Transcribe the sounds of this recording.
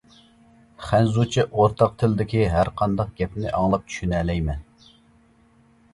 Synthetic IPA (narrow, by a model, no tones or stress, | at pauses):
χænzut͡ʃʰiʔoɾt̪ʰɑq̚t̪ʰɪlɪd̪ɪkʲiɦæɾqʰɑnd̪ɑq̚ɡ̥ʲɛpnɪʔɑŋlˠɑp̚t͡ʃʰy̥ʃynɛːlɛjmɛn